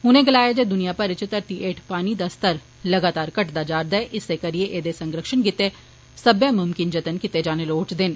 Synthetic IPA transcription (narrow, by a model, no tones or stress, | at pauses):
ɦʊnẽːɡəlaːjeːd͡ʒeːd̪ʊnijaːpəɾɪt͡ʃt̪əɾt̪iːʔeːʈʰpaːniːd̪aːst̪əɾ | ləɡaːt̪aːɾkəʈd̪aːd͡ʒaːɾd̪aɛːʔɪseːkəɾieːʔeːd̪eːsəŋɡɾəkʃənkɪt̪eː | səbjãːmʊmkɪnd͡ʒət̪ənkɪt̪eːd͡ʒaːneːloːt͡ʃd̪ɪn